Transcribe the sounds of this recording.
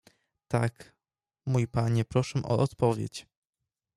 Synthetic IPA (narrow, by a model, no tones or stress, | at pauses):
t̪ak | mujpaɲɛpɾɔʂɛʔɔ̰ʔɔt̪pɔvʲjḛt͡ɕ